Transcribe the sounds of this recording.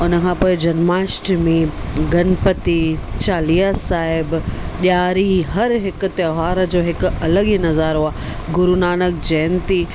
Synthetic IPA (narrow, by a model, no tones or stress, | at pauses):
ʊnəkʰãːpoːɪd͡ʑɐnmaːsʈmĩɡɐnpət̪it͡ɕaːliːasaːɦɪbɗjaːɾiɦɐɾɦɪkʊ̆t̪ɐɦaːɾəd͡ʑoːɦɪkʊɐləɠinɐzaːɾɦoaː | ɡʊɾunaːnək̚d͡ʑɛːnt̪i